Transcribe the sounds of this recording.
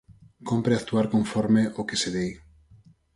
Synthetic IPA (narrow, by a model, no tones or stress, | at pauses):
kompɾeakt̪uaɾkõɱfɔɾmeʔokeseðej